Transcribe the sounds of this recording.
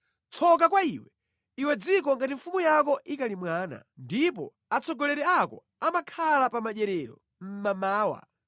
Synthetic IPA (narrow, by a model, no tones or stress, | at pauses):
t͡sʰɔk̬akwaiwɛ | iwɛd͡zikɔŋɡatiɱ̩fumujakɔʔikalimwaːna̰ndipɔ̰ | at͡sɔɡɔlɛɾɛakɔ̰ | amakʰalapamaɗɛɾɛɾɔ̰ | m̩mamaːwa̰